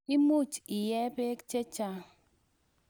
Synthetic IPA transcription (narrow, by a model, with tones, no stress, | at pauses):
i˦mu˦˨t͡ʃi˨jɛ˦be˦kt͡ʃe˦t͡ʃa˦